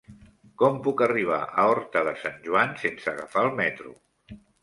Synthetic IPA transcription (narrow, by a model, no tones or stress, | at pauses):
kɔmpukəriβ̞a̰ʔəɔɾt̪əðəsanʒuansensəːɣafaəlˠmɛt̪ɾṵ